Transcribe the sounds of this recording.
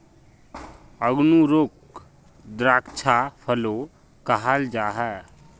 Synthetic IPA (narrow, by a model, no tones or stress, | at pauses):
əɡnuɾok | d̪ɾaːkt͡ʃʰapʰəlo | kəɦald͡ʒaːɦɛː